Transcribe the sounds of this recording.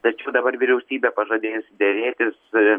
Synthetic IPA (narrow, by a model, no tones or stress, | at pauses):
t̪ɐt͡ʃʲɛʊd̪ɐbɐrʋʲɪɾʲɛʊsʲiːbʲeːpɐʒɐd̪ʲeːsd̪ʲɛɾʲeːt̪ʲɪs